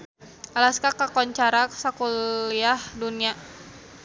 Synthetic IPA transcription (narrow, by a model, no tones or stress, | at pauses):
ʔalaskakakɔɲt͡ʃaɾaksakuliahdunia